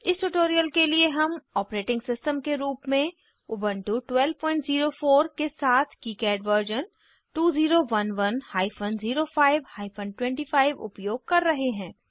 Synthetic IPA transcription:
ɪsʈuʈoːɾijəlkelieɦɐmɔːpɾeːʈɪ̃ŋɡsɪsʈəmkeɾuːpmẽ | ʊbənʈuʈwɛlpɔ̃ːɪ̃ɳʈziːɾofoːɾkesaːt̪ʰkiːkɛːɖʋəɾd͡ʒən | ʈuːziːɾoʋɐnʋɐnhaːɪfʰənziːɾofʰaːɪʋhaːɪpʰə̃nʈwɛ̃ɳʈiːfaːɪʋʊ̰pjoːɡ̚kɐɾːɐɦeɦɛ̃ː

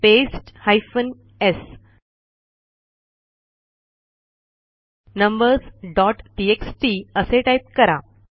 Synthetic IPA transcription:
pesʈhajfən | es | nəmbəɾsɖɔʈʈieksʈiəseʈajp̚kəɾa

